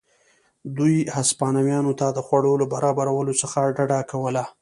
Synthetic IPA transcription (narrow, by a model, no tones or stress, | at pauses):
d̪ujhaspɑnawjɑnot̪ad̪əxwaɽowlobaɾɑbaɾawəlosəxaɖaɖakawəla